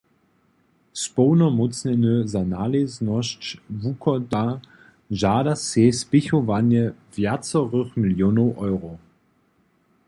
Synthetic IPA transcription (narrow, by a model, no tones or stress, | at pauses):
spɔʊnɔmʊt͡snɛnəzanaːleznɔst͡ʃvukʰɔda | ʒaːdaseːspɪçɔvanjəvjat͡sɔʁəχmɪljoːnoʊʔɔʏʁo